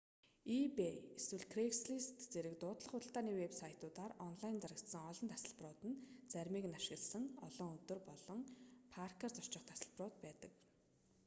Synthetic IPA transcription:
ipeeswɘ̆ɮkʰreksɮist̪t͡seɾɘ̆k̚t̪ʊːt̪ɮə̆χʊt̪ə̆ɬt̪aːniːwepsajʰt̪ʊːt̪aːrɔnɮajnt͡saɾə̆t̪sə̆ŋɔɮɞ̆nt̪ʰḁsə̆ɮprʊːt̪ɘ̆nt͡sæɾʲmiːknaʃɪ̆ɣə̆ɮsə̆ŋɔɮɞːŋɵt̪ɵ̆rpɔɮɞ̆ŋpʰarkart͡sɔrt͡ɕɪ̆χt̪ʰḁsə̆ɮprʊːt̪̚pæːt̪ə̆k

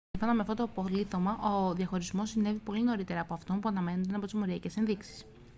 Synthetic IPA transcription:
fonɐmeɐft̪ot̪opo̞liθo̞mɐʔo̞ðʝɐxo̞ɾizmo̞sine̞vipo̞lino̞ɾit̪e̞ɾɐːpo̞ɐft̪o̞mpuɐnɐme̞nond̪enɐpo̞t̪izmo̞ɾiɐce̞se̞nðiksi̥s

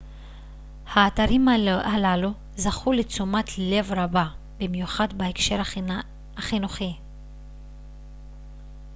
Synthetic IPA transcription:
haːtaʁimhalalu | zaχulet͡sumatʰle̞vʁaba | bimjuχadbaekʃe̞ʁ | aχinuχi

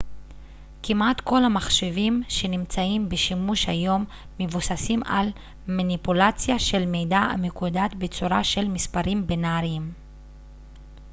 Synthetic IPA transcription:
kimat̪ko̞lamaχʃevimʃe̞nimt͡saimbeʃimuʃhajo̞mː | e̞vusasima̰l | manipulat͡sjaʃe̞lmejdaa̰mekud̪at̪be̞t͡suɾaʃe̞lmispaʁimbenaʁiim

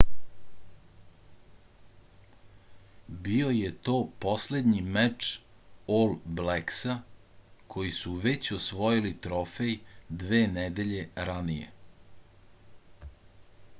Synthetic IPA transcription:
bio̞jet̪o̞ːposle̞d̪ɲimɛt͡ʂ | olˠbleksa | kʰo̞jisuʋet͡ɕosʋo̞jilit̪ɾofe̞jd̪ʋeːnɛd̪e̞ʎe̞ɾanijḛ

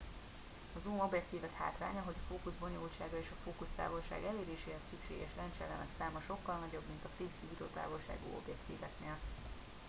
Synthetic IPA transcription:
ɒzuːmo̞bjɛk̚t̪iːvɛk̪ha̰ːt̪ra̰ːɲɒɦo̞ɟɒfoːkuzbo̞ɲoːlt͡ʃaːɡɒeːʃɒfoːkust̪a̰ːvo̞lʃa̰ːɡɛleːɾeːʃeːɦɛsːykʃeːɡɛʃlɛnt͡ʃɛlɛ̰nɛ̰ksaːmɒʃo̞kːɒlnɒɟo̞bmint̪ɒfiːsibiɾot̪a̰ːvo̞lʃa̰ːɡṵo̞̰bjɛkt̪ḭːvɛknel

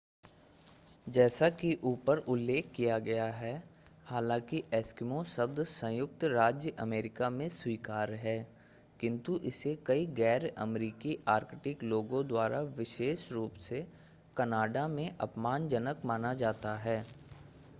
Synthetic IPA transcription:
d͡ʒɛːsakiʔuːpəɾʊlːeːkʰkːijaɡɐjaɦɛː | haːlãːkiʔɛːskɪmõsəb̚d̪sə̃jʊk̚t̪ɾaːd͡ʒjəʔɐmeːɾɪkamẽswiːkaːɾɦɛː | kɪ̃nt̪uʔɪsekɐiɡɛːɾə̰mɾiːkiʔaːɾkʈɪkloːɡõd̪waːɾʔaʋɪʃeːʃɾuːpse | kɐnaːɖamẽʔɐpmaːnd͡ʒənəkmaːnad͡ʒaːt̪aɦɛː

